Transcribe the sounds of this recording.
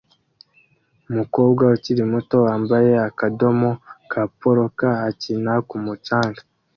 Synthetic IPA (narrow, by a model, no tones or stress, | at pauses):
umuko̞ːbɡwauciɾimuto̞waːmbaje̞akado̞mo̞kʰapoɾokaːcinakumut͡ʃaːŋɡḁ